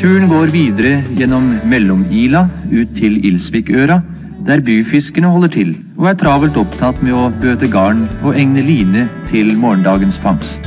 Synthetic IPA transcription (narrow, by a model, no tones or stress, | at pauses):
t̪ʰʉːəɳɡoːɾʋiːd̪əɾəjɛnːɔmːɛlːɔmiːlɑʉːt̪ʰːɪlɪlsʋiːkøːɾɑ | d̪̥æɾbyːfɪskənəɦɔlːəʈʰɪl | ɔæʈ̪ʰɾɑːbəlt̪ɔpt̪ʰɑt̪ːmɛɔbøːt̪əɡɑːɳɔʔɛŋnəliːnət̪ʰɪlmoːəɳɖ̪ɑːɡənsfɑŋst̪